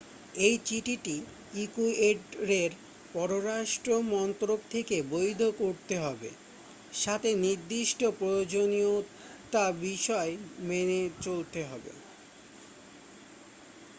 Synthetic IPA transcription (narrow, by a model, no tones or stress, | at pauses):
ejt͡ɕiʈiʈi | ikueɖɾeɾ | pɔɾoɾaʃʈɾomɔnt̪ɾok̚t̪ʰekebojd̪ʱokoɾt̪eɦɔbḛ | ʃat̪ʰeniɾd̪iʃʈopɾojod͡ʑonio | t̪abiʃɔemenet͡ɕolt̪eɦɔbḛ